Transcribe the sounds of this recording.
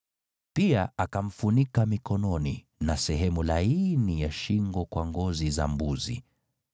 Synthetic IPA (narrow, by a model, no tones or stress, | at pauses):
piaakam̩funikamikɔnɔni | nasɛɦɛmulainijaʃiŋɡɔkwaŋɡɔziza̰mbuzḭ